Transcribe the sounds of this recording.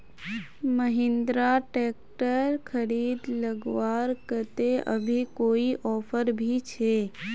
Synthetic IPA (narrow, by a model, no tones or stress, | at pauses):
məɦɪ̃nd̪ɾaʈeːkʈəɾkʰəɾiːd̪ləɡwaːɾkət̪eʔə̰bʱikoːiʔɔːpʰəɾbʱit͡ʃʰeː